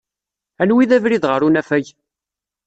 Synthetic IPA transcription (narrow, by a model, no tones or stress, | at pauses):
ænwiðævɾiðʁəɾunæfæʝ